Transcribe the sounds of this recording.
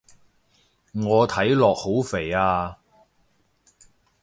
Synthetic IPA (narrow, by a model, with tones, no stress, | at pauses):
ŋɔː˨˧t̪ʰɐ˨˥jlɔː˨k̚ho˨˥wfe˨˩jaː˧